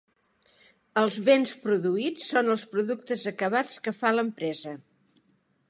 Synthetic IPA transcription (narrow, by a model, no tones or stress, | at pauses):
əlˠzβenspɾuðuit͡sːonəlˠspɾuðuk̚t̪əzəkəβ̞at͡skəfaləmpɾɛzə